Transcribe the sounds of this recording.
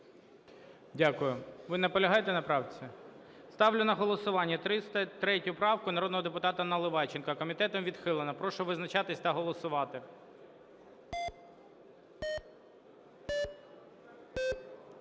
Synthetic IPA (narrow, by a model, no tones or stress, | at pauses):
dʲakʊjʊʋɪnɐpɔlʲɐɦɑjet̪enɐpɾɑwt͡sʲi | st̪ɑwlʲʊnɐɦɔlˠɔsʊʋɑnʲːɐt̪ɾɪst̪ɐt̪ɾɛtʲʊpɾɑwkʊnɐɾɔd̪nɔɦɔd̪epʊt̪ɑt̪ɐnɐlˠɪʋɑt͡ʃɪnkɐkɔmʲit̪ɛt̪ɔmʋʲid̪xɪlˠenɐpɾɔʃʊʋɪznɐt͡ʃɑt̪ɪsʲt̪ɐɦɔlˠɔsʊʋɑt̪ɪ